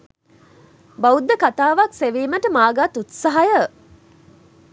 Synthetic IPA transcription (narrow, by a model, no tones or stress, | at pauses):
baud̪ːəkat̪aːʋakseʋeːməʈəmaːɡat̪ut̪saɦɐjə